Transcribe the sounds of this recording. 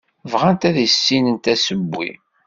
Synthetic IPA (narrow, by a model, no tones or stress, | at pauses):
vʁænt̪æðisːinənt̪æsəbːḭ